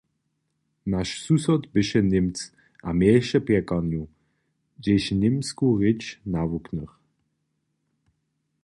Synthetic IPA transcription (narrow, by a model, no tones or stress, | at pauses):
naʃsusɔtbɪʃənɪmt͡s | ʔamɛʃəpɛkanju | d͡ʒeʃnɪmskuʁɪt͡ʃnavuknəχ